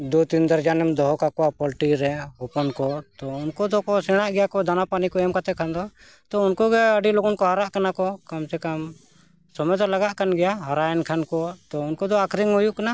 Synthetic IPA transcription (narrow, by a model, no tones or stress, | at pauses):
d̪ut̪ind̪əɾd͡ʒanɛmd̪ɔɦɔkakɔwapɔlʈiɾɛɦupɔnkɔt̪ɔunkɔd̪ɔkɔsɛɽ̃aʔɡɛjakɔd̪anapanikɔɛmkat̪ɛkʰand̪ɔ | t̪ɔunkɔɡɛəɖiloɡɔnkɔɦaɾaʔkanakɔkamsɛkam | sɔmɛd̪ɔlaɡaʔkanɡɛjaɦaɾajɛnkʰankɔt̪ɔunkɔd̪ɔakɾiŋɦujukana